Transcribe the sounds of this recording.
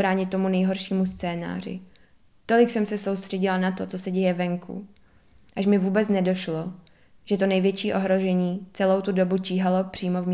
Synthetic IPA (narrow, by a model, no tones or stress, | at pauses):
ɾaːɲɪt̪ːo̞munɛjɦo̞ɾʃiːmust͡sɛːna̰ːrɪ̰ | t̪o̞lɪksɛmsɛso̞wst̪r̥ɛɟɪlanat̪ot͡so̞sɛɟɛjɛvɛŋkʰṵ | ʔaʃmɪvuːbɛt͡snɛdo̞ʃlo̞ | ʒ̥ɛt̪o̞nɛjvjɛt͡ʃiːʔo̞ɦɾo̞ʒɛɲiːt͡sɛlo̞wt̪udo̞buciːɦalo̞pr̥iːmo̞vm